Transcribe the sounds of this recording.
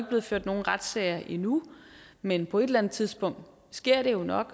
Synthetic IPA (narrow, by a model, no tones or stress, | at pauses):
ɡəb̥le̝ːð̞̩ˠføɐ̰d̥no̝ːn̩ʁad̥sɛ̰ɪɐʔinumenpʰɒ̽e̝d̥lænð̩ˠt͡sʰiðˠsb̥ɔ̽ŋ̰d̥ | sɡ̥e̝ɐ̰ɾ̥e̝jo̝nɒ̽ɡ̥